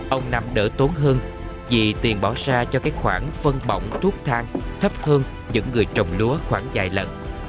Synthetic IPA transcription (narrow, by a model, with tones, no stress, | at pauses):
ʔə˧wŋ͡mna˧mɗəː˧˩t̪o˨˦nɦəː˧n | vi˨˩t̪i˨˩ənɓɔ˧˩wsaː˧t͡ɕɔ˧kaː˦˥k̚xwaː˧˩nfə˧nɓɔ̰˧˨wŋ͡mt̪ʰu˦˥ək̚t̪ʰaː˧ŋt̪ʰə˦˥p̚həː˧n | ɲɨ̰˧˥ŋːɨ˨˩əjt͡ɕə˨˩wŋ͡mlu˨˦əxwaː˧˩ŋza̰ː˧˨˩jlə̰˧˨n